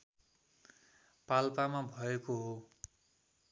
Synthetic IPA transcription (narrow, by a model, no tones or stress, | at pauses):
palpamabʱʌekoɦo